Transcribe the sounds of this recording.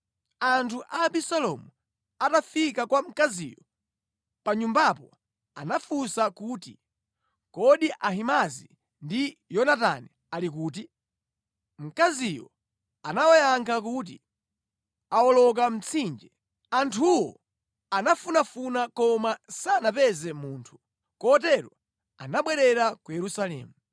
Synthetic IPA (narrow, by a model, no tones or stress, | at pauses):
antʰuʔaɓisalɔmu | atafikakwam̩kazḭːjɔ | paɲumbapɔ | anafusakuːti | kɔɗiʔaɦimazḭ | ndijɔnata̰nɛ | alik̬uːt̬i | m̩kazijɔ̰ | anawajaŋkʰak̬uːt̬ḭ | awɔlɔk̬am̩t͡sʰind͡ʒɛ | antʰuwɔ | anafunafunakɔmasanapɛzɛmuːntʰu̥ | kɔtɛɾɔ | a̰naɓwɛɾɛɾakujɛɾusalɛ̰ːmu